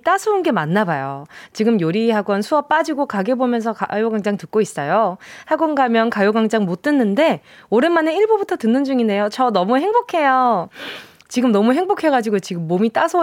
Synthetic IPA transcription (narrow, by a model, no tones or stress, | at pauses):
t͈asʰounɡe̞manːabajot͡ɕiɡɯmjoɾiɦaɡwʌnsʰuʌp͈ad͡ʑiɡokaɡe̞bomjʌnsʰʌkajoɡaŋd͡ʑaŋtɯk̚k͈ois͈ʌjohaɡʌnɡamjʌnkajoɡaŋd͡ʑaŋmot͈̚ɯnːɯnde̞ | oɾenmane̞iɭbubutʰʌtɯnːɯnd͡ʑuŋinde̞jot͡ɕʌnʌmuɦe̞ŋbokʰe̞jo | t͡ɕiɡɯmnʌmuɦe̞ŋbokʰe̞ɡad͡ʑiɡot͡ɕiɡɯmːomit͈asʰo